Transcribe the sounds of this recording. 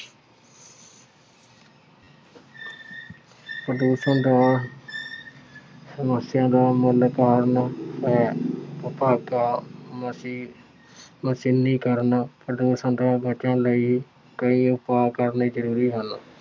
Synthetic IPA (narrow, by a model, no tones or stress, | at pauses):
pɾəd̪uːsəɳd̪aː | səməsɪjãːd̪aːmʊlkaːɾnɛːəpaːɡkaː | məsinĩːkəɾnpɾəd̪uːsənd̪aːbət͡ʃəɳləiː | kəĩːʊpaːkəɾniːd͡ʒəɾuːɾiːɦən